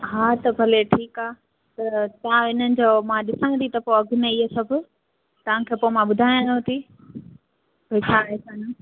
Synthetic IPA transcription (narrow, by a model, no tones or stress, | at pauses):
ɦaːt̪ɐbʱɐleʈʰiːkaː | t̪ɐt̪ɐʋ̤ãɪnənɪ̆d͡ʑoːmãɗɪsãt̪it̪ɐpoɐɡʱʊneiɦesɐbʱʊ | t̪ɐʋãkʰeːpoːemãɓʊd̪ʱaːjãnõt̪i | bot͡ɕʰaːɦesaːna